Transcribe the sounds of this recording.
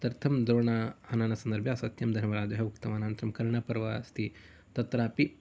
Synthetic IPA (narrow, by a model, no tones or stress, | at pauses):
t̪ɐɾt̪ʰɐmd̪ɾoːɳahɐnanɐsɐnd̪ɐɾbʱjasɐt̪jɐmd̪ʱɐɾmɐɾaːd͡ʒɦɐukt̪ɐmaːnaːnt̪ɾɐmkɐɾɳapɐɾʋast̪ʰi | t̪ɐt̪ɾaːpi